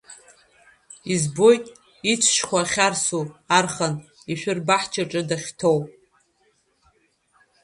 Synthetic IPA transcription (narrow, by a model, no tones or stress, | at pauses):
izbo̞jtʼ | it͡sʷʰʃkʷaχʲarsuarχan | iʃʷᶣʊrbaħt͡ʃʰaʈ͡ʂʼɨdaχʲtʰowpʼ